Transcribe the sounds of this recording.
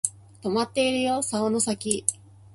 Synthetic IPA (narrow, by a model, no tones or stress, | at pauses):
t̪o̞mat̪ːe̞iɾɯ̟jo̞saono̞sakʲi